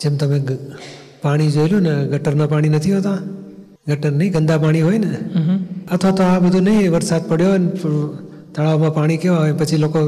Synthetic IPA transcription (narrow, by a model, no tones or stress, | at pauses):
d͡ʒeːmt̪ɐmẽɡ | paːɽ̃id͡ʒojljũnəɡəʈəɾnapaːɽ̃inɐt̪ʰiɦoːt̪ã | ɡəʈəɾnəɦĩɡənd̪apaːɽ̃iɦoːinɪ | ɐt̪ʰʋat̪oãbəd̪ʱũnɐɦĩeʋəɾsaːd̪̚pəɽ̤joənɪpɾ | t̪əɭaːʋmãpaːɽ̃ikeaɦoenpət͡ʃʰiloːko